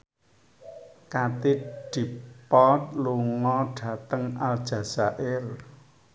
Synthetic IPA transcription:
kat̪ɪɖ̪̥i̤pɔt̪̚luŋɔɖ̥ä̤t̪əŋald̥ʒ̥a̤saʔɪr

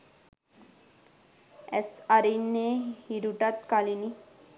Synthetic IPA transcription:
ɛsaɾinehiɾuʈat̪kalini

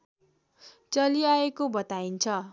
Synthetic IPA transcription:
t͡sʌliaekobʌt̪aint͡sʰʌ

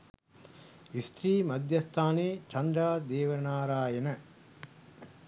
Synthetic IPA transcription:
ist̪ɾiːmɐd̪jɐst̪ʰaːneːt͡ʃɐɳɖaːd̪eːʋənaːɾaːenə

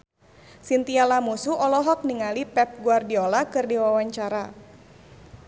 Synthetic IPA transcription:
sint̪ialamusuɔlɔɦɔk̚niŋalipɛp̚ɡuardiolakɨrdiwawaɲt͡ʃaɾa

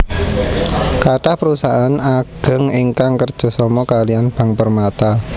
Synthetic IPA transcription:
kaʈahpəɾusaʔanaɡ̥ə̤ŋiŋkaŋkərd̥ʒ̥ɔ̤sɔmɔkalijanb̥a̤ŋpərmat̪a

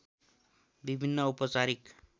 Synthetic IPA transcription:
ʋibʱinːəupət͡saɾik

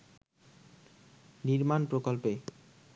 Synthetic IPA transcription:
niɾmanpɾokolpe

